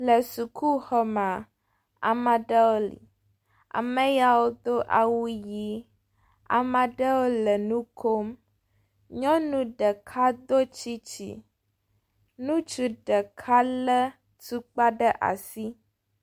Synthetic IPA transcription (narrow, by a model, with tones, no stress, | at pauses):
lə˨su˨kʰu˦xɔ˦mã˨ | a̰˨mã˨ɖə˦wo˦lḭ˨ | a̰˨mə̃˦ja˦wo˦d̪o˦ʔa˨wu˦ji˦ | a̰˨mã˨ɖə˦wo˦lə˨nũ˦kʰo˦m | ɲɔ̃˦nũ˦ɖə˨kʰa˦d̪o˦t͡ɕi˦t͡ɕḭ˦ | nũ˦t͡ʃu˦ɖə˨kʰa˦lə˦ | t̪u˦k͡pa˦ɖə˦ʔa̰˨si˦